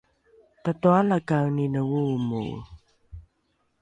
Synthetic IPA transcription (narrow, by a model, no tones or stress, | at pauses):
pətualakawninəwumṵ